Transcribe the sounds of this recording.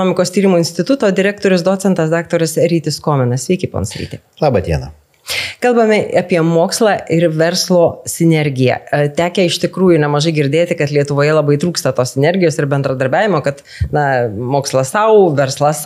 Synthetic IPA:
noːmʲɪkoːst̪ʲiːɾɪmuɪnʲsʲt̪ʲɪt̪ʊt̪oːd̪ʲɪɾʲæːk̚t̪oːɾʲʊsd̪oːt͡s̪ʲɛnt̪ɐsd̪ɑːk̚t̪oːɾʲɪsɾʲiːt̪ʲɪskoːmʲɛnɐsʲʋʲɛɪkʲɪpo̰ːnsɾʲḭːt̪ʲe | lˠɑːbɐt̪ʲiɛnɐ̰ | kɐlˠbɐmʲɪɑpʲiɛmoːkslˠɑːʔɪɾʋʲɛɾslˠoːsʲɪnʲɛɾʲɡʲɪjɛ̰t̪ʲæːkʲɛɪʃt̪ʲɪkɾuːjʊnʲɛmɐʒɐɪɡʲɪɾʲd̪ʲeːt̪ʲɪkɐt̪lʲiɛt̪ʊʋoːjɛlˠɐbɐɪt̪ɾuːkst̪ɐt̪oːssʲɪnʲɛɾʲɡʲɪjoːsɪɾbʲɛnd̪ɾɐd̪ɐɾʲbʲæːʋʲɪmoːkɐt̪ | nɐmoːkslˠɐsɐʊʋʲɛɾslˠɐs

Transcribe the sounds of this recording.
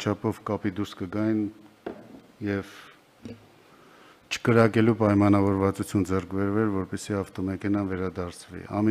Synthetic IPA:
t͡ʃʰɑpʰɔvkɑpid̪uɾskəɡɑjn | jɛv | t͡ʃʰə̥kəɾɑkɛlupɑjmɑnɑvɔɾvɑt͡sut͡sʰjund͡zɛrkʰbɛɾvɛɾvɔɾpɛsiɑft̪ɔmɛkʰɛnɑnvɛɾɑd̪ɑɾt͡sʰvḭɑ̰mi

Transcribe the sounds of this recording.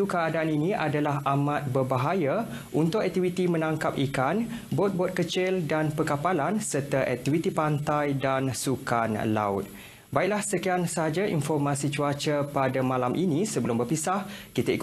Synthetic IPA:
ukəadaːniniadalaɦamãt̪̚bərbaɦaja | unt̪ʊkɛk̚t̪iwit̪imə̃naŋkap̚ikanbɔt̪̚bɔt̪̚kət͡ʃɪldanpəkapalansərt̪aʔɛ̰k̚t̪ivit̪ipant̪ajdansukanla̰ʊ̰t̪̚ | baik̚lahsəkiansəɦad͡ʒaḭnfɔrmasit͡ʃuat͡ʃəpadamãlamʔinĩsəbəlʊmbərpisahkit̪aḭk

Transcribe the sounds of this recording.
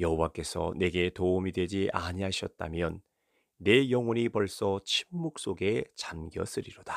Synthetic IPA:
jʌɦowak͈e̞sʰʌ̰ne̞ɡe̞toumidwe̞d͡ʑiʔaɲiɦaɕʰjʌt̚t͈a̰mjʌnː | e̞jʌŋwʌɲipʌɭs͈ʌt͡ɕʰimːuk̚s͈oɡe̞t͡ɕanɡjʌ̰s͈ɯɾiɾod̥ḁ

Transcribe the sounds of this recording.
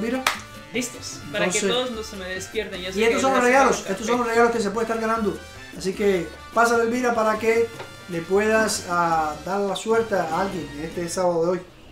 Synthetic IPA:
βiɾa | d̪ist̪e̥senpaɾõnsseðosnosemeðespjeɾt̪eŋsiett̪os̬ːonlosreɣalosest̪os̬onloreɣaloskes̬ep̬weest̪aɾɣanãnd̪o | asike | pas̬alelβiɾapaɾake | lepweðasad̪aɾlasweɾt̪eaalɡjeŋest̪esaβaðoðeoj

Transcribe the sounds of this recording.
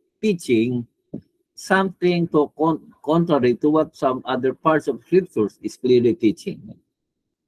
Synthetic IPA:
tit͡ʃɪ̃ŋ | sãmt̪ɪ̃ŋtoɔkɔ̃nt̪ɹaɹit̪uwɔt̪̚sãmad̪əɹpaɹtsɔfskɹip̚t͡ʃuɹsiskliɹlitit͡ʃɪ̃ŋ

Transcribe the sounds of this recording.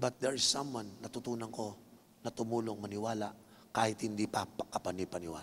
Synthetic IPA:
bɐt̪̚d̪ɛɹɪsːɐmwanːɐt̪ʊt̪uːnɐŋko̞ | nɐt̪ʊmuːloʔŋmɐnɪwaːlaʔ | kaːhɪt̪hɪnd̪ipɐpɐkɐpɐnipɐnɪwa̰ː

